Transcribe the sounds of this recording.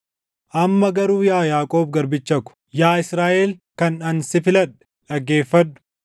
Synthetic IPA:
ʔɐmːɐɡɐɾuːjaːjaːkʼo̞ːbɡɐɾbɪt͡ʃːɐkʊ̥ | jaːɪsɾaːʔeːlkɐnᶑɐnsɪfɪlɐᶑɛ̥ | ᶑɐɡːe̞ːfːɐdːʊ̥

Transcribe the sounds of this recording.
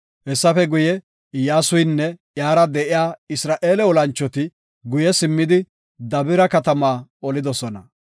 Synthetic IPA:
hɛsːɐfɛɡʊjɛ | jaːsʊjnːɛjaːɾɐd̪ɛʔɪjaːɪsɾaːʔe̞ːlɛɔlɐnt͡ʃːɔt̪ɪ | ɡʊjɛsɪmːɪd̪ɪ | d̪ɐbɪɾɐkɐt̪ɐmaːɔlɪd̪ɔsɔnɐ

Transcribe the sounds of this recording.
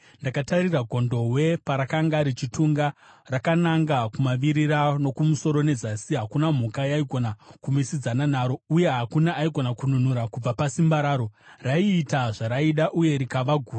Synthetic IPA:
ndakatariraɡʱo̞ndo̞ɦwe̞paɾakaŋɡaɾit͡ʃituŋɡarakanaŋɡakumaʋiɾiɾano̞kumuso̞ɾo̞ne̞zasiɦakunam̤ukajaiɡʱo̞nakumisid͡zananaːɾo̞uje̞ɦakunaʔːiɡʱo̞nakunun̤uɾakub͡vapasimbaɾaːɾo̞raiːtaʐaɾaiɗaʔuje̞ɾikaʋaɡʱuːa

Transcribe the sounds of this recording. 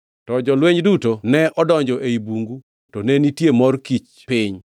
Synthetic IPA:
tɔd͡ʒɔlweɲdutonɛʔɔdɔɲd͡ʒɔʔeibuŋɡu | tɔnɛnitjemɔrkit͡ʃ | pɪɲ

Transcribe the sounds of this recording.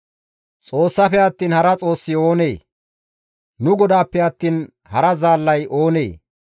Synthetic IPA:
t͡sʼo̞ːsːɐfɛɐt̪ːiːnhɐɾɐt͡sʼo̞ːsːɪo̞ːne̞ː | nʊɡɔd̪aːpːɛɐt̪ːiːn | hɐɾɐzaːlːɐjʔo̞ːnḛː

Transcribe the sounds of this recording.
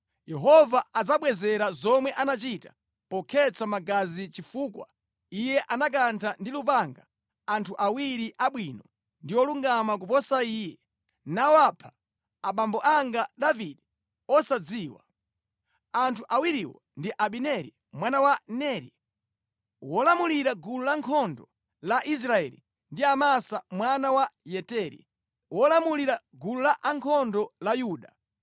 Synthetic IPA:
jɛɦɔvaːd͡zaɓwɛzɛɾazɔmwɛʔanat͡ʃitḁ | pɔkʰɛt͡samaɡazit͡ʃifuːkwa̰ | ijɛʔanak̬antʰandilup̬aŋɡa | antʰuʔawiɾiʔaɓwinɔ | ndiɔluŋɡamak̬upɔsaiːjɛ | nawɔapʰḁː | ɓambɔʔaŋɡaɗaviɗɛ | ɔsad͡ziːwa̰ | antʰuʔawiɾiwɔ̰ | ndiʔaɓinɛɾḭ | mwanawanɛɾḭ | wɔlamuliɾaɡululaŋkʰɔndɔ | laʔis̬ɾaɛlḭ | ndiamasamwanawajɛtɛɾḭ | wʔɔlamuliɾa | ɡululaʔaŋkʰɔndɔlajuːɗa

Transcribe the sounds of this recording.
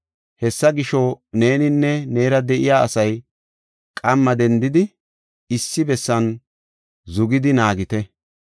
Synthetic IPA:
hɛsːɐɡɪʃɔne̞ːnɪnːɛne̞ːɾɐd̪ɛʔɪjaːɐsɐj | kʼɐmːɐd̪ɛnd̪ɪd̪ɪ | ɪsːɪbɛsːɐn | zʊɡɪd̪ɪnaːɡɪt̪ɛ

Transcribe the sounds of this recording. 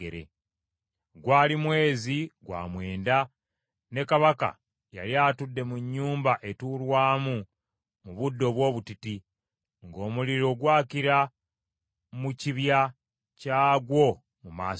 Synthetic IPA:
eɾḛ | ɡwaːlimwe̞ːziɡwa̰ːmwe̞ːnda | ne̞kaβaka̰ | ja̰ljaːtudːe̞muɲːuːmbaʔe̞tulwaːmu | muβudːo̞βwo̞ːβutiti | ŋɡo̞ːmuliɾo̞ɡwaːciɾa | muciβja | caːɡwo̞ | muma̰ː

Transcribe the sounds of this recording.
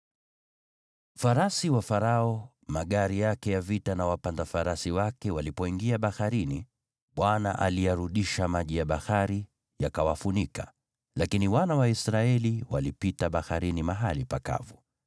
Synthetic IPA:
faɾasiwafaɾaɔ | maɠaɾijakɛjavitanawapandafaɾasiwakɛwalipɔiŋɡiaɓahaɾini | ɓwana̰ʔa̰lijaɾuɗiʃamaʄijaɓahaɾi | jakawafunika | lakiniwanawaisɾaɛliwalipitaɓaxaɾinimaɦalipaka̰vu

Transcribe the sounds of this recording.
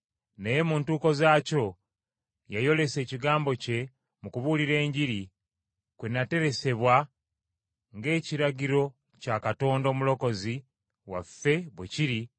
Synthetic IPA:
neje̞muːntuːko̞zaːco̞ | jajo̞le̞se̞ːciɡaːmbo̞ce̞ | mukuβuliɾe̞ːɲɟiɾi | kwenate̞ɾe̞se̞βwa | ŋɡe̞ːciɾaɟiɾo̞ | cakato̞ːndo̞ːmulo̞ko̞zi | wa̰fːe̞βweciɾi

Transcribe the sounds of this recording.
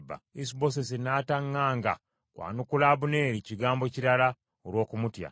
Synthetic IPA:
bːa̰isibo̞s̬es̬enaːtaŋːaːŋɡa̰ | kwʔa̰ːnukulaːβune̞ːɾiciɡaːmbo̞ciɾala | oɾwo̞ːkumutja̰

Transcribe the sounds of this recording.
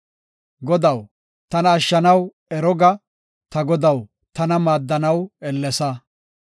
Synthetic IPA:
ɡɔd̪ɐw | t̪ɐnɐːʃːɐnɐw | ɛɾɔɡɐ | t̪ɐɡɔd̪ɐw | t̪ɐnɐmaːd̪ːɐnɐwɛlːɛsɐ

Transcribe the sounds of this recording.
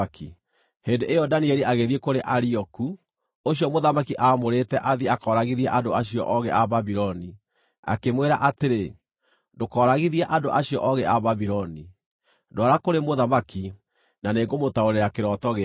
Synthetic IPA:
ki | heːndeʔejɔdanieɾiʔaɣeðiekoɾeʔaɾiɔku | oɕjɔmoðamakiʔamoɾetɛʔaðiakɔːɾaɣiðiɛʔadoaɕiɔ̰ʔɔɣɛʔaβabiɾɔni | a̰kemweɾaʔateɾe | dokɔɾaɣiðiaʔadoʔaɕiɔ̰ʔɔɣɛʔaβabiɾɔni | doaɾakoɾemoðamaki | naneːɡomotaoɾeɾakeɾɔtɔɣe

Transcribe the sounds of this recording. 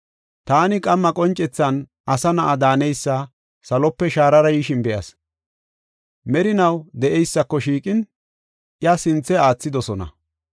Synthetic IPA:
t̪aːnɪkʼɐmːɐkʼɔnt͡ʃʼɛt͡sːɐn | ɐsɐnɐʔad̪aːnɛjsːɐ | sɐlɔpːɛʃaːɾɐɾɐjiʃɪnbɛʔɐs | mɛɾɪnɐwd̪ɛʔɛjsːɐkːɔʃiːkʼɪn | ʔjɐsɪnt͡sːɛaːt͡sːɪd̪ɔsɔnɐ̰

